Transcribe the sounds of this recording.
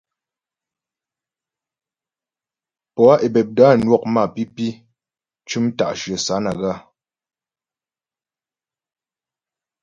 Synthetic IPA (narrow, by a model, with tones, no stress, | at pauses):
pɔ˨a˦ʔe˨bɛ˨p̚da˦nwɔ˦˨k̚ma˦˨pi˦pi˦ | t͡ʃʉ˦mta̰˨ʔʃə˨sa˨˦na˨ɣa˦˨